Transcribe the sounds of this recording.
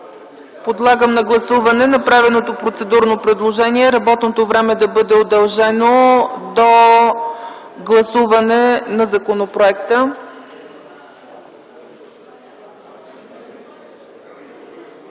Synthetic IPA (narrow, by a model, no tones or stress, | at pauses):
pod̪lˠaɡəmnɐɡlˠɐsuvɐnɛnɐpɾavɛnot̪opɾot̪sɛd̪uɾnopɾɛd̪lˠoʒɛniɛɾɐbɔt̪not̪ovɾɛmɛd̪ɐbɤd̪ɛod̪ɐlˠʒɛnod̪o | ɡlˠɐsuvɐnɛnɐzɐkonopɾoɛkt̪ə